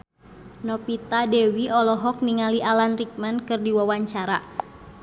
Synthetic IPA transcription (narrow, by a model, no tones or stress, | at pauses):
nɔpit̪adɛwiɔlɔɦɔk̚niŋaliʔalanrik̚mankɨrdiwawaɲt͡ʃaɾa